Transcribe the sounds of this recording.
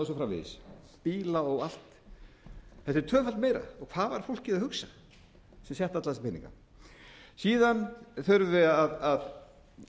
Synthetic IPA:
sɔfɾamvɪ̰ðɪ̰s | piːlaɔɣal̥t̪ | θɛht̪ɪɾ̥t̪ʰœːfalt̪meːjɾa̰ɔɣkʰv̥aːðvaɾ̥fowl̥kcɪðahʏksa | sɛmsjɛht̪at̪laðspɪnḭ̃ŋka̰ | siːðanθœɾvɪaðað

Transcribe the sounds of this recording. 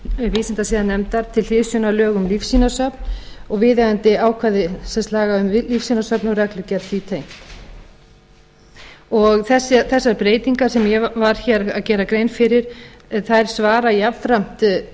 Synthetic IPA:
viːsɪnt̪asiːðanːɛmt̪aɾ̥t̪ʰɪlθɪðsjʏnalœːɣʏmlifsinasœpn̥ɔɣvɪːðaɣant̪ɪaːwkʰvaðɪsɛnst̪laːɣaʏmvlifsinasœpnɔɣrɛklʏcɛɾθit̪ʰejm | ɔɣθɛsaθɛsːaɾpɾeːjt̪iŋkaɾ̥sɛmjɛvaɾ̥çɛɾaðcɛːɾakɾejnfɪɾɪɾ̥θajɾ̥svaːɾajavfɾam̥t̪

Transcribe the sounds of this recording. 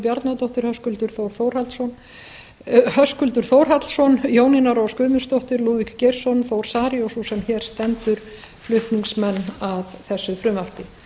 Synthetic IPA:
pjaɾt̪nat̪ɔht̪ɪɾ̥hœskʏlt̪ʏɾ̥θowɾ̥θowɾ̥halsɔn | hœskʏlt̪ʏɾ̥θoːwɾ̥ɦat̪lsɔnjoːwninaɾɔskʏːðmʏnst̪ɔht̪ɪɾluːvikcejr̥sɔnθoːwɾ̥saːɾiɔsusɛmçɛːɾ̥st̪ɛnt̪ʏɾ̥ | flʏht̪niŋksmɛnːaðθɛsːʏfɾʏmar̥pɪ

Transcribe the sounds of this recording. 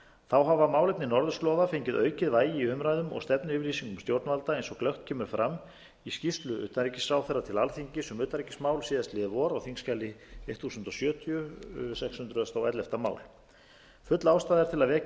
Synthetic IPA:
θawɦavamaːwlejp̚nɪnɔɾðʏsk̪lɔðafejɲcɪðœːɥcɪðvaːjɪiʏmɾajðʏmɔ̰ɣst̪ɛpnɪʏːvʏɾliːsiŋkʏmst̪jowɾt̪nvalt̪aejnsɔklœht̪cʰɛːmʏɾ̥fɾʔamː | iscist̪lʏʏ̰ːt̪anɾicɪsaːwθɛrːat̪ʰɪlalθiɲcɪsɛmʏːt̪aɾicɪ̥smaːwlsiːðast̪lɪðvɔɾawθiŋscalɪejht̪θuːsʏnt̪ɔsjœːt̪ʰiʏsɛkshʏnt̪ɾʏst̪awɛjt̪lɛft̪ama̰ːwl | fʏt̪laːwst̪aːðɛɾ̥t̪ʰɪlaðvɛː

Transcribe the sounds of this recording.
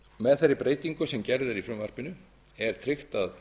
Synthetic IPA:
mɛðθeɾːɪpɾeːjt̪iŋkʏsɛmcɛɾðɪɾifɾʏmvar̥pɪnʏ | ɛɾ̥t̪ʰɾɪxt̪að

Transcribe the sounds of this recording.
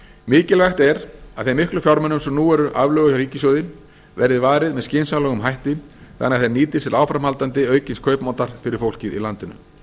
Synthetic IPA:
mɪːcɪlvajxt̪ɛɾaðθejmɪhklʏfjawɾmɛnːʏmsɛmnuːɛɾʏʔavlœːɣʏçɾiːcɪsjowðɪn | vɛɾðɪvaːɾɪðmɛðscɪnsalœɣʏmɦajht̪ɪn | θa̰nːɛaθejɾniːt̪ɪst̪ɪlaːwfɾamhalt̪ant̪ɪœːɥcɪnskʰœɥpmant̪aɾ̥fɪɾɪɾ̥fowl̥cɪðḭlant̪ɪnʏ̰

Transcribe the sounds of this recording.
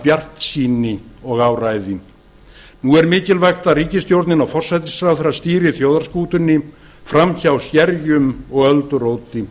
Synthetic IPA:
pjar̥t̪siːnɪɔɣaːwraːjðɪ | nuɛɾmɪːcɪlvajxt̪aɾiːcɪst̪jowɾt̪nɪnawfɔr̥sajt̪ɪsɾawθeɾːast̪iːɾɪθjoːwðaɾ̥skuːt̪ʏnːɪ | fɾamçawsjɛɾjʏmɔɣœlt̪ʏɾoːwt̪ɪ

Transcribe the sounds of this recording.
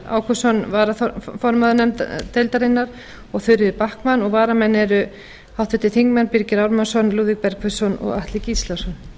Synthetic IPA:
a̰ːwkʰɔsɔnvaːɾaθɔfɔɾmaðnɛmt̪ejlt̪aɾɪnːaɾ̥ | ɔɣθʏɥɾɪðɪpahkmanɔɣvaːɾamɛnːɛɾʏ | hawht̪ɪht̪ɪθiŋkmɛnpiɾcɪɾawɾmansɔnluːðik̚pɛɾkʰfœsɔnɔ̰ɣa̰ht̪lɪcislasɔn

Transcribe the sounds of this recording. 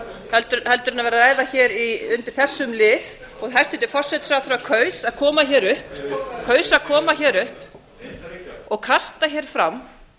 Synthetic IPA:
hɛlt̪ʏhɛlt̪ʏɾɪnavɛːɾaɾaːjðaçɛːɾiʏnt̪ɪɾ̥θɛsːʏmlɪːð | ɔɣɦajst̪ɛt̪ɪfɔr̥sɛt̪fɾawθɾakʰœːɥsaðkʰɔːmaçɛːɾʏhpkʰœːɥsaðkʰɔːmaçɛːɾʏhp | ɔɣkʰast̪açɛɾ̥fɾamː

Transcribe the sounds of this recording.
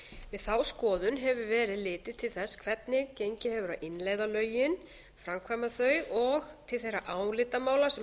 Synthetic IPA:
vɪðθawskɔːðʏnɦɛvʏvɛːɾɪðlɪːt̪ɪt̪ʰɪlθɛsːkʰvɛt̪nɪcejɲcɪhɛvʏɾa̰ʔɪnleːjðalœːɥjɪn | fɾamkʰvamaθœɥʔɔɣt̪ʰɪlθejɾaʔaːwlɪt̪amaːwlasɛ

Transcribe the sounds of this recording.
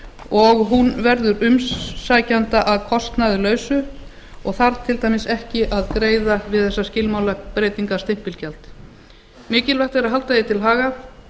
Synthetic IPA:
ɔɣɦunvɛɾðʏɾʏmsːaːjcant̪aʔaðkʰɔst̪najðɪlœːɥsʏ | ɔɣθaɾt̪ʰɪlt̪ajmɪsɛhcɪʔaðkɾeːjðavɪðθɛsːascɪlmaːwlakpɾeːjt̪iŋkḁst̪ɪm̥pɪlcɛlt̪ | mɪːcɪlvɛht̪ɛɾaðɦalt̪ajɪt̪ʰɪlɦaːɣa

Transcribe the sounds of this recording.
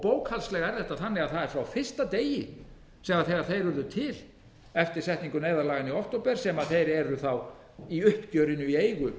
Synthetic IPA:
poːwkhalslɛɣɛɾðɛht̪ːaθanːɪɣaðθaðɛɾ̥fɾawfɪr̥st̪at̪eːjɪ | sɛmaθɛɣaɾ̥θejɾvʏɾðʏt̪ʰɪl | ɛft̪ɪɾ̥sɛht̪niŋkʏneːjðaɾlaːɣɪniɔht̪owpɛɾ̥sɛmaðθejɾɛɾʏθaw | iʏhpc̪jœːɥɾɪnʏieːjɣʏ

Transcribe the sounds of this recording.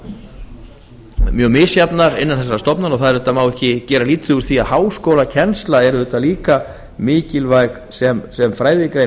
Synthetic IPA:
mjœːɣmɪːsjapnaɾɪnːanθɛs̬ːɾaɾst̪ɔpnaɾaɣθaðɛɾɛt̪ːamaːwɛhcɪcɛːɾaliːt̪θʏɣʏɾ̥θiaðhaːwskoːwlacʰɛnst̪laɛɾʏðʏt̪ːaliːka | mɪːcɪlvajk | sɛmsɛmfɾaːjðɪkɾej

